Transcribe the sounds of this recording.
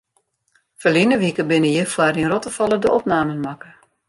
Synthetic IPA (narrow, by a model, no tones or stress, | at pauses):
fəlinəʋikəbɪnəjəfwaɾinrɔtəfɑlˠədəʔɔpnaːmənmakə